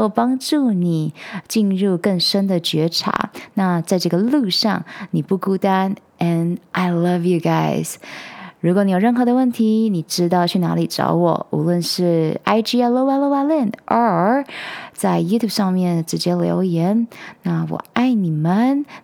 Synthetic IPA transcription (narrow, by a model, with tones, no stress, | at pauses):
o˥˩pɑ˥ŋʈ͡ʂu˥˩ni˨˩˦t͡ɕi˥˧nɻu˥˧kə˥˩ŋʂə˥nd̪ə˨t͡ɕɥɛ˧˥ʈ͡ʂʰa̰˧˥na˥˧t͡sa˥˧ɪʈ͡ʂɤ˥˩ɡə˩lu˥˧ʂɑ˥˩ŋni˨˩pu˥˩ku˥t̪a˥n | ɛ˨˩nʔa˨˧ɪlʌ˦vju˨ɡa˥ɪz̥ɻu˧˥k̬wɔ˨˧˦ni˧˥jɻə˥˩nxɤ˧˥d̪ə˧wə˥˩nt̪ʰi˧˥ni˨˩ʈ͡ʂɻ̩˥t̪̬ɑ˥˧ʊt͡ɕʰy˥˩na̰˧˥li˨˩ʈ͡ʂɑ̰˧˥ʊwɔ̰˨˩ṵ˧˥lwə˥˧nʂɻ̩˥˩a˥ɪʈ͡ʂi˥ɛ˥lo˧ʊwa˥˧lo˥˧ʊa˥˧li˥˩nʔə˧˥ | t͡sa˥˧˩ɪju˥t̪ʰju˥˩bʂɑ˥˧ŋmjɛ˥˩nʈ͡ʂɻ̩˧˥t͡ɕjɛ˥ljo̰˧˥ʊjɛ˧˥nna˥˩wɔ̰˨˩a˥˩ɪni˨˩mə˦n